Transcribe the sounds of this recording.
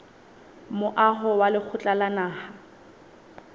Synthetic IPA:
mʊʔaɦɔwalɪk͡xʰʊt͡ɬʼalanaːha

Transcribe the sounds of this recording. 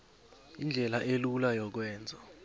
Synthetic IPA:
ind͡ɮʱɛlaʔelulajɔk̬wɛːnd͡zʱɔ

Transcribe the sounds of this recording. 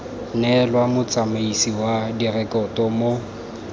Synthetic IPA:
nɛlwamʊt͡sʼamaisiwadirɛkɔtɔmo

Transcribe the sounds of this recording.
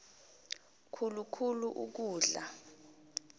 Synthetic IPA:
kʰulukʰuluʔuk̬uːɮa

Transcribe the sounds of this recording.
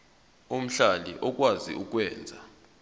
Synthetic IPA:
um̩ɬalḭʔɔk̬ʼwazḭuk̬ʼwɛːnd͡zʱa

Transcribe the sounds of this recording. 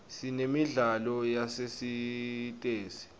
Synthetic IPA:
sinemiɮalɔjasesitʼeːsi̥

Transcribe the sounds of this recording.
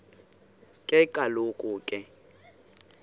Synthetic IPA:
kʼɪkʼalokʼʊːkʼɪ

